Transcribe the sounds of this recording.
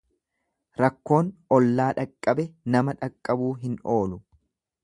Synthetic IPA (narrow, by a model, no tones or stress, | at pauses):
ɾɐkːo̞ːnɔlːaːᶑɐkʼːɐbɛnɐmɐᶑɐkʼːɐbuːɦɪno̞ːlʊ